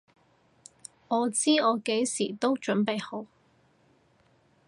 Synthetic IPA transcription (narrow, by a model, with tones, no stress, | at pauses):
ŋɔː˨˧t͡siː˥ɔː˨˧ke˨˥jsiː˨˩t̪o˥wt͡ʃɵ˨˥npe˨jho˨˥w